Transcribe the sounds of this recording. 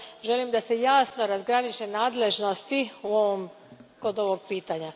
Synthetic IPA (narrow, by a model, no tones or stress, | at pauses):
ʒe̞limd̪ase̞jaːsnoɾazɡɾanit͡ʃe̞naːd̪le̞ʒno̞st̪iuo̞ʋom | ko̞d̪o̞ʋoɡ̚piːt̪aɲa